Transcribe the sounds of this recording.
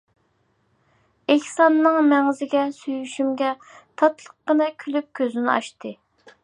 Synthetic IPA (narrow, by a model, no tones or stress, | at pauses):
ehsɑnːɨŋmɛŋzɪɡʲɛsyjyʃymɡʲɛt̪ʰɑt̪lˠəqːənɨkʲʰylyp̚kʲʰøzɪnɪɑ̰ʃt̪ɨ